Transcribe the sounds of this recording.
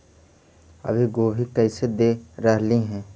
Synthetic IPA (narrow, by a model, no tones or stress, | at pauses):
ɐ̰bʱiɡoːbʱikɛːsed̪eːɾəɦliɦɛ̃ː